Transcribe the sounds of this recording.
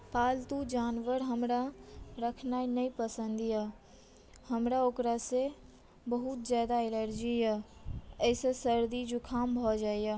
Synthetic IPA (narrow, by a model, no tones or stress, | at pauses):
paːlt̪ud͡ʒaːnʋəɾɦəmɾaɾəkʰnaːinɐipəsə̃nd̪ija | həmɾaoːkɾase | bəɦut̪zjaːd̪aɪləɾd͡ʒijaəɪsesəɾd̪id͡ʒukʰaːmbʱɔd͡ʒaːija